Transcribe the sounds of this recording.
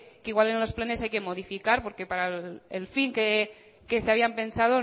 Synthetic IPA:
kiɣwale̞nlo̞splene̞sajke̞mo̞ðifikaɾpo̞ɾke̞paɾaelfiŋke | ke̞seaβiampe̞nsað̞o̞

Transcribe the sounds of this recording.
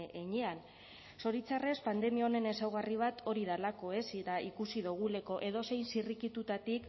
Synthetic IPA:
eɲean | so̞ɾit͡sare̞spand̪e̞miaone̞ne̞sawɣ̞ariβ̞at̪ʰo̞ɾið̞alako̞e̞siɾaikusiðuɣ̞ule̞ko̞ʔe̞ðo̞se̞jnsirikit̪ut̪at̪ik

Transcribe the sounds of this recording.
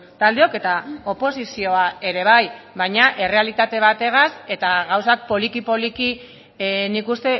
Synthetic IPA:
t̪ald̪e̞o̞ke̞t̪ao̞po̞sisio̞ae̞ɾe̞β̞aj | βajɲaʔe̞re̞alit̪at̪e̞β̞at̪e̞ɣ̞ase̞t̪aɣawsak̚po̞likipo̞liki | nikust̪e̞

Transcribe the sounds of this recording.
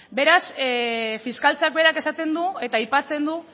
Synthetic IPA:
be̞ɾas | fiskalt͡sak̚be̞ɾake̞sat̪e̞nd̪ue̞t̪aːjpat͡se̞nd̪u

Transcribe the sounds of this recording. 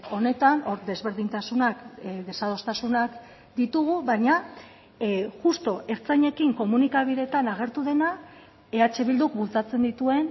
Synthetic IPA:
o̞ne̞t̪ano̞ɾd̪e̞zβe̞ɾðint̪asunakðe̞sað̞o̞st̪asunak | d̪it̪uɣ̞uβajɲa | ʝust̪o̞ʔe̞ɾt͡sajɲe̞kiŋko̞munikaβ̞iðe̞t̪anaɣ̞e̞ɾt̪uðe̞na | e̞at͡ʃe̞βild̪uk̚bult͡sat͡se̞nd̪it̪ue̞n

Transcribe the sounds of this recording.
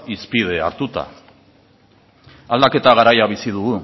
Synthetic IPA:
ispið̞e̞a̰ɾt̪ut̪a̰ | ald̪ake̞t̪aɣ̞aɾajaβ̞isið̞uɣu

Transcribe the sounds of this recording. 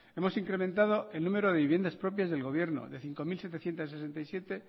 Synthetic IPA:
e̞mo̞siŋkɾe̞mẽnt̪aðo̞e̞lnũme̞ɾoðe̞βiβje̞nd̪aspɾopjazðe̞lɣ̞o̞βje̞ɾno̞̰ðe̞θiŋko̞milse̞t̪eθje̞nt̪asːese̞nt̪ajsje̞t̪e̞

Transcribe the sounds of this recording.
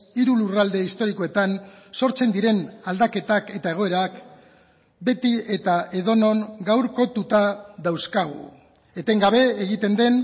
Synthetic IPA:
iɾulurald̪e̞ist̪o̞ɾiko̞e̞t̪anso̞ɾt͡se̞nd̪iɾe̞nald̪ake̞t̪ake̞t̪ae̞ɣ̞o̞e̞ɾak | be̞t̪ie̞t̪ae̞ð̞o̞no̞ŋɡawɾko̞t̪ut̪aðawskaɣ̞ṵ | e̞t̪e̞ŋɡaβ̞e̞eɣ̞it̪e̞nd̪e̞n

